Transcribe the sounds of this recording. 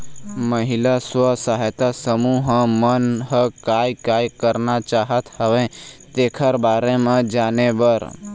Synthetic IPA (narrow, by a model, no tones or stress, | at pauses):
məɦɪlaswəsaɦjt̪asəmuɦmənɦəkaːjkaːjkəɾnat͡ʃaːɦət̪həʋẽt̪eːkʰəɾbaːɾẽmẽd͡ʒaːnebəɾ